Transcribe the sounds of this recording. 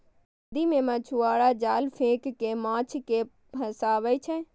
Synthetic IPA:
d̪imẽmãt͡ʃʰuaːɽaːd͡ʒaːlfʰẽːkːemãːt͡ʃʰke | ɐ̃saːʋəjt͡ʃʰɛ̃

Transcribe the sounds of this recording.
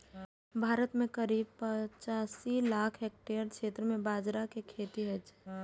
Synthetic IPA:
bʱaːɾət̪mẽkəɾiːbpət͡ʃaːsilaːkʰɦeːk̚ʈeɾkʰeːt̪ɾəmẽbaːd͡ʒɾakekʰeːt̪iɦɛd͡ʒ

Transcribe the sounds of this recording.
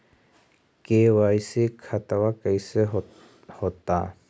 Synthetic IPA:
kewajsekʰat̪awakəjse | hot̪a

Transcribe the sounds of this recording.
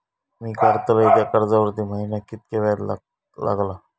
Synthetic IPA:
miːkəɾt̪ələit̪jakəɾd͡zaʋəɾt̪iːməɦinjakit̪̚kaʋaɾl | la̰ɡla

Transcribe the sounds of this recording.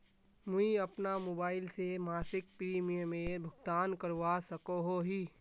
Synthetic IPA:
mʊiɐpnamoːbaːɪlsemaːsɪk̚pɾiːmijəmẽbʱʊɡt̪aːnkəɾʋasəkoɦoɦiː

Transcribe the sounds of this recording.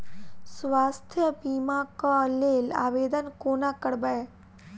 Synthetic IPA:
sʋaːst̪ʰjəbiːmãkãleːla̰ːʋeːd̪ənkoːnãkəɽbəe

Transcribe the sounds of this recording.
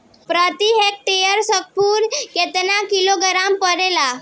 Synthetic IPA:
pɾət̪iɦek̚ʈejəɾsək̚puːɾket̪nakiloɡɾampəɾela

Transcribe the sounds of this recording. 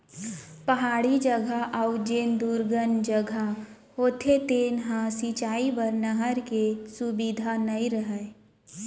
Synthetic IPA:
pɐɦaːɽid͡ʒəɡʱaʔɐʊd͡ʒeːnd̪uːɾɡənd͡ʒəɡʱa | ɦoːt̪ʰet̪eːnɦãsiːt͡ʃaːibəɾnəɦəɾkesubid̪ʱanɐĩɾəɦəe

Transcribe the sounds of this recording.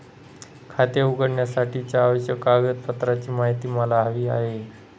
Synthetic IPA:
kʰat̪jeuɡəɽɳjasaʈʰit͡ɕjaːʋəɕjəkaɡət̪pət̪ɾat͡ɕiːmaɦit̪iːməlaɦaʋiːa̰ɦe

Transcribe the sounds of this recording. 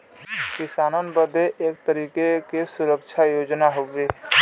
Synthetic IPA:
kɪsaːnənbəd̪ʱeʔek̚t̪əɾiːkekesʊɾək̚t͡ʃʰajoːd͡ʒnaɦobe

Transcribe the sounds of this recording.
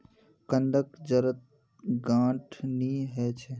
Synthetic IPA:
kənd̪əkd͡ʒəɾət̪̚ | ɡãːʈʰniɦɛt͡ʃʰɛ

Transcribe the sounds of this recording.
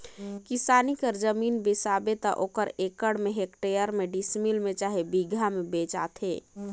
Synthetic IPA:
kisaːnikəɾd͡ʒəminbisabet̪ɔ̰ʔoːkəɾekəɽmeɦekʈejəɾmeɖismilmet͡ʃaːɦebiɡʱamebet͡ʃa̰t̪ʰɦe

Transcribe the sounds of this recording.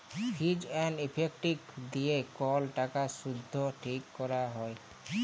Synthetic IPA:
kʰid͡ʒɛnɖipʰek̚ʈikd̪ijekɔlʈakaʃud̪ʱːoʈʰikːɔɾaɦɔe

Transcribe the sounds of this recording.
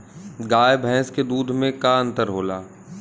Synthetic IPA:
ɡaːjbʱɛ̃ːsked̪uːd̪ʱmẽkaə̃nt̪əɾɦoːlaː

